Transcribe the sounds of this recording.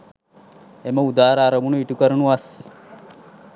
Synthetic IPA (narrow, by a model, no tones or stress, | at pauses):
eməud̪aːɾaːɾɐʋunuiʈukəɾənuʋas